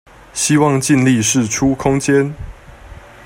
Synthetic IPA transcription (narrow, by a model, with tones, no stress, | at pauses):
ɕi˦wɑ˥˨ŋt͡ɕi˥˧nli˥˨ʂɻ̩˥˨ʈ͡ʂʰu˦kʰʊ˦˥ŋt͡ɕjɛ˦n